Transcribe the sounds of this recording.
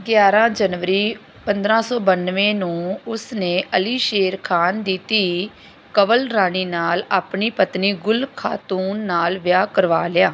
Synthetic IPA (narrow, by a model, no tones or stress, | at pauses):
ɡjaːɾãːd͡ʒənʋəɾiː | pənd̪ɾãːsɔːbənʋẽːnũːʊsneːʔəliːʃeːɾkʰaːnd̪it̪iː | kəʋəlɾaːniːnaːlaːpɳiːpət̪niːɡʊlkʰa̰ːt̪uːnːaːlʋɪjaːkəɾʋaːlɪjaː